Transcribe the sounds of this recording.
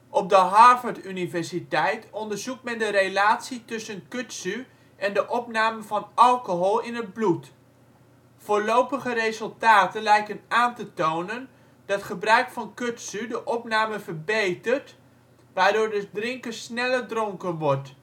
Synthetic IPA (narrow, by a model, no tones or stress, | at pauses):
ʔɔp̚dəɦɑɹvəɹtynivɛɹsitɛjtɔndəɹzuk̚tmɛndəɾelaːtsitʏsənkøtsy | ɛndəʔɔpnaːməvɑnɑlˠkoɦɔlˠɪnəd̚blut | foːlowpəχərezɵlˠtaːtənlɛjkənaːntətownən | d̥ɑtχəbrœɥkfɑnkøtsydəʔɔpnaːməvəɹbejtərt | ʋaːɹdʊːɹdədrɪŋkərsnɛlədroŋkənʋɔɹt